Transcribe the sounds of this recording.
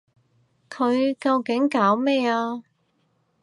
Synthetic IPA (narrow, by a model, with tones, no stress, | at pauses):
kʰɵ˨˧ɥkɐ˧wkɪ˨˥ŋkaː˨˥wmɛː˥˩aː˧